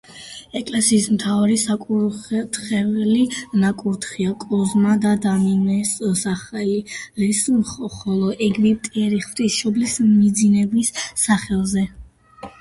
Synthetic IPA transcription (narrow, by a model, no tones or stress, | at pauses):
ɛkʼlɛsiːsmt̪ʰavaɾisakʼuɾt̪χɛvlinakʼuɾt̪χiakʼɔzmad̪ad̪aminɛssaχɛliɾɛsχɔlˠɔʔɛɡmipt̪ʼiɛɾiχvt̪ʼisʃɔblismid̪zinɛbisːaχɛlˠzɛ